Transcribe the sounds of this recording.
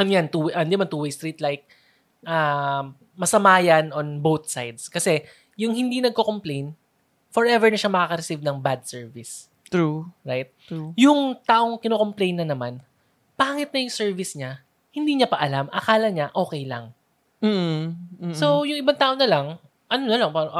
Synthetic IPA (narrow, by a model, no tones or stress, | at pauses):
ɐnjant̪uʔɐnd̪ɪmant̪uːwejst̪ɾiːt̪lajk̚ | ʔaː | ɐsɐmaːjɐnonbowt̪̚sajd̪skɐsɛ | jʊŋɦɪnd̪inɐɡ̚koko̞mplejn | fɔɹʔɛvɛɹnɐʃamɐkaːkɐɾɛsivnɐŋbad̪̚sɛɹvɪs | uɹajt̪̚jʊŋt̪aːʔo̞ŋkɪnoko̞mplejnːɐnɐman | paːŋɪt̪̚nɐjʊŋsɛɹvɪsɲa | hɪnd̪iːɲapɐʔɐlamʔɐkaːlɐɲaʔo̞ːkɛjlɐŋ̩ː | sowjʊŋɪbaŋt̪aːʔoŋnɐlɐŋ | ʔɐnonɐlɐŋpaːɾɐ